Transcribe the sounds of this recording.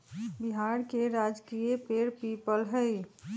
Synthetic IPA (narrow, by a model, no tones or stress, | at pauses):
bɪɦaːɾkeɾaːd͡ʒkiepeːɾpiːpəlɦəi